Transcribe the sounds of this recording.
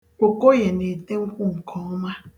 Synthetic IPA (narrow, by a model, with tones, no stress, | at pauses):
kʷo˨ko˦je˨ne˨te˦ŋ̩˦kʷu˦ŋ̩˨kʰɔ˨˦ɔ˦ma˦